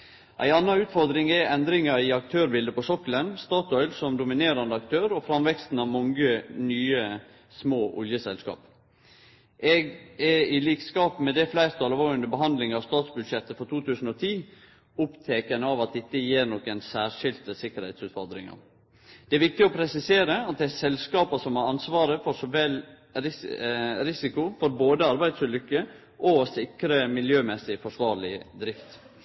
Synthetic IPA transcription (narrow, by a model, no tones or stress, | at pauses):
ʔæ̰ɪɑnːɑnʉːt̪fɔɾd̪ɾɪŋɛɛnd̪ɾɪŋɑɾɪɑk̚t̪ʰøːɾbɪld̪əpɔsɔkːlənst̪ɑːt̪ɔʏlsɔmd̪ʊmɪneːɾɑnd̪əɑk̚t̪ʰøːɾɔfɾɑmʋɛkst̪n̩ɑʋmɔŋɡənyːə | smoːʔʊ̰ljəsɛlskɑ̰ːp | ʔɛɡɛɾɪliːkskɑːpmɛd̪ɛflæɪɾt̪ʰɑlʋoːənəbəɦɑnd̪lɪŋɑʋst̪ɑːt̪sbʉd̪ʃɛt̪ːəfɔt̪ʰuːt̪ʰʉːsn̩ɔt̪ʰiː | ʊpt̪ʰeːkənəɑʋɑt̪̚d̪ɛɪt̪ːəjeːɾnɔkːənsæːʂɪlt̪əsɪkːəɾhɛɪt̪sʉːt̪fɔɾd̪ɾɪ̰ŋə̰ɾ | d̪̥ɛæɾʋɪk̚t̪ɪɔpʰɾɛsɪseːɾəɑt̪̚d̪ɛæsɛlskɑːpɑsɔmhɑɾɑnsʋɑːɾəfɔʂɔʋɛl | ɾɪɾɪsɪkʊfɔɾboːd̪əɑɾbæɪd̪sʉlʏkːə | ʔɔsɪkɾəmɪljøːmɛsɪfɔʂʋɑːɾɭɪd̪ɾɪft̪